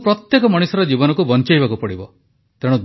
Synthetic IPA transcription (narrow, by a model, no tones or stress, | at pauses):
pɾɔt̪jekɔmɔɽ̃usɔɾɔd͡ʒibɔnɔkubɔnt͡ʃajbakupɔɽibɔ | t̪eɽ̃ud̪